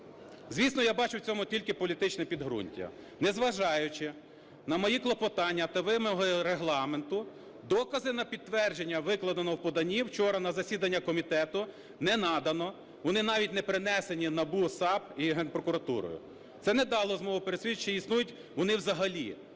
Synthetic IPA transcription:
zʲʋʲisnɔjabɑt͡ʃʊwt͡sʲɔmʊtʲilʲkɪpɔlʲit̪ɪt͡ʃnɛpʲid̪ɦɾṵnʲtʲːɐ̰ | nɛzʋɐʒɑjʊt͡ʃɪ | nɐmɔjiklˠɔpɔt̪ɑnʲːɐt̪ɐʋɪmɔɦɔɾeɦlˠɑment̪ʊ | d̪ɔkɐzɪnɐpʲid̪t̪ːʋɛrd͡ʒenʲːɐʋɪklˠɐd̪ɐnɔwpɔd̪ɐnʲiwt͡ʃɔɾɐnɐzɐsʲid̪ɐnʲːɐkɔmʲit̪ɛt̪ʊ | nɛnɑd̪ɐnɔ | ʋɔnɪn̪ɑʋʲitʲnɛpɾɪnɛsenʲinɐbusɑbiɦɛnpɾɔkʊɾɐt̪ṵɾɔ̰jʊ̰ | t̪sɛnɛd̪ɑlˠɔzmɔʋʊpeɾesʲit͡ʃːɛisnujʊtʲ | ʋɔnɪwzɐɦɐlʲḭ

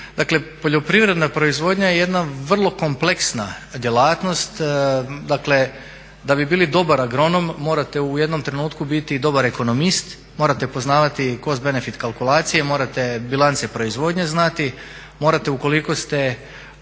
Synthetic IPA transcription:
d̪akle̞po̞ʎo̞pɾiʋɾe̞d̪napɾo̞izʋo̞ːd̪ɲajeje̞d̪naʋr̩lˠo̞ko̞mple̞ksna̰d̪jelˠaːt̪no̞st̪d̪akle̞ | d̪abibiːlid̪o̞baɾaɡɾo̞no̞mːo̞ːɾat̪e̞uje̞d̪no̞mt̪ɾe̞nuːt̪kubit̪id̪o̞baɾe̞ko̞no̞mist̪ | moɾat̪e̞po̞znaːʋat̪iko̞zbe̞ne̞fit̪kalˠkulˠaːt̪sijemo̞ːɾat̪e̞bilˠant̪sepɾo̞izʋo̞ːd̪ɲeznat̪i | moɾat̪euko̞liko̞st̪e̞

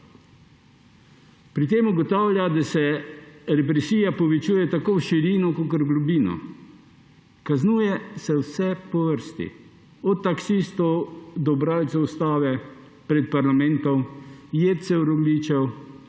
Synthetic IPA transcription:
pɾit̪̬eːmuɡɔt̪aːwlʲjad̪asɛɾɛpɾɛsiːjapɔʋɛt͡ʃuːjɛt̪akoːwʃiɾiːnɔkokəɾɡlubiːnɔ̰ | kaznuːjɛsɛwsɛpɔʋəɾst̪ḭ | ɔt̪ːaksiːst̪ɔwd̪ɔbɾaːlt̪sɛwst̪aːʋɛ | pɾɛt̪̚paɾlamɛ̃nt̪ɔmjɛt̪sɛwɾɔɡliːt͡ʃɛw

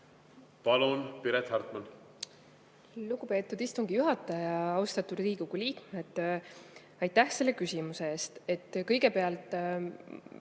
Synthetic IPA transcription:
pɑlunpiɾet̪hɑrt̪ˑmɑn | luɡ̥upe̞ːt̪ːˑud̪ist̪uŋɡ̥ijuɦɑt̪ːˑɑjɑɑwst̪ɑt̪ːud̪riːɡ̥uɡ̥uliːkmeed̪̥ | ɑjt̪ːæhse̞lːe̞kysʲimusee̞ːst̪e̞t̪ːˑkɤ̞jɡ̥e̞pe̞ɑlt̪ˑ

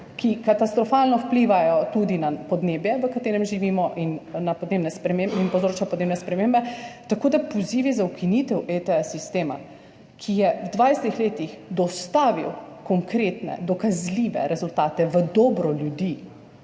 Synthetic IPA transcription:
kʰikat̪ast̪ɾɔfaːlnɔwpliʋajɔt̪ud̪inapɔd̪neːbjɛʋəkat̪eːɾɛmʒiʋiːmɔʔinːapɔd̪neːbnɛspeinpɔwzɾoːt͡ʃapɔd̪neːbnɛspɾɛmeːmbɛt̪akoːd̪apɔziːʋizaukinit̪ɛwet̪ɛɛsist̪eːma̰ | kʰijɛwd̪ʋajsɛt̪ixleːt̪ixd̪ɔst̪aːʋḭwkɔŋkɾeːt̪nɛ̰d̪ɔkazliːʋɛ̰ɾɛzult̪aːt̪ɛʋəd̪ɔːbɾɔljud̪i

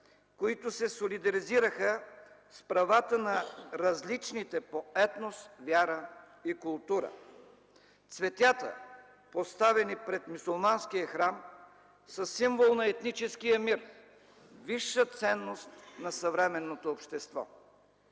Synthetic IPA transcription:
koit̪ʊsɛsolid̪ɐɾiziɾəxəspɾɐvat̪ənɐɾɐzlit͡ʃnit̪ɛpoɛt̪nost̪vʲjaɾə | ikʊlˠt̪uɾə̰ | t̪svɛt̪ʲjat̪ə̰ | post̪avɛnipɾɛt̪musulˠmansk̟ijəxɾam | səsːimvolˠnɐɛt̪nit͡ʃɛskijəmiɾ | viʃːət̪sɛnːost̪nɐsɐvɾɛmɛnːot̪oːpʃt̪ɛst̪vɔ̰

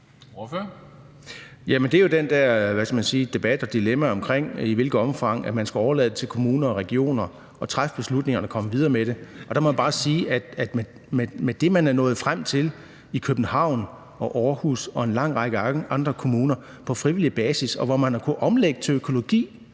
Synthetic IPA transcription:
jæmend̥e̝jod̥end̥æɐ̰ʋæskʰæmænsiːd̥e̝b̥æd̥ɒ̽d̥ilemæɒ̽mkʰʁeŋ̰iʋe̝lɡ̥ð̩ˠɒ̽mfɑ̈ŋ̰æ̥mænsɡ̥æɒʊɐlɛ̰ðˠd̥et͡sʰe̝lkʰo̝muːnɐɒʁɛɡ̥io̝̰ːnɐ | ɒ̽t͡sʰʁafb̥e̝slud̥ne̝ŋɐnəkʰɒ̽məʋið̞ˠɐːmeɾ̥e̝ʔɒ̽d̥ɑmɒ̽jæb̥ɑ̈ːsiːæd̥æd̥me | memed̥e̝mænæɐnɔ̽ːð̩ˠfʁam̰t͡sʰe̝l | ikʰøb̥n̩hɑ̈ʊ̰n | ɒ̽ʔɒːhusɒ̽e̝nlɑ̈ŋ̰ʁɑ̈ɡ̥əʔɑ̈nd̥ʁɐkʰo̝muːnɐ | pʰɒ̽fʁiʋilib̥ɛːsisɒ̽ʋɒmænɑkʰuʔɒ̽mleɡ̥̚d̥̚t͡sʰe̝økʰo̝lo̝ɡ̥ḭː

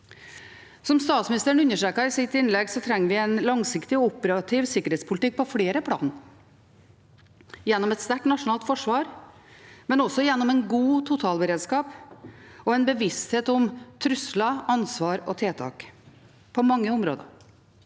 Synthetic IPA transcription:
sɔmst̪ɑːt̪smɪnɪst̪əɾəɳʉnːəʂʈɾeːkəɾɪsɪt̪ɪnlɛɡsɔt̪ʰɾɛŋːəɾʋɪɛɪnlɑŋsɪkt̪ɪɔɔpəɾɑt̪ʰiːʋsɪkːəɾheːt̪spʰʊlt̪ɪk̚ːpʰɔfɽeːɾəpʰɽɑ̰ːn | jɛnːɔmɛt̪st̪æʈnɑʂʊnɑːlt̪fɔʂʋɑːɾ | mɛnɔsɔjɛnːɔmɛnɡuːt̪ʰʊt̪ʰɑːlbəɾeːd̪skɑːp | ɔɛnbəʋɪst̪heːt̪ɔmt̪ʰɾʉslɑɑnsʋɑːɾɔt̪ʰeːt̪ʰɑ̰ːk | pʰɔmɑŋːəʊmɾo̰ːd̪ə̰

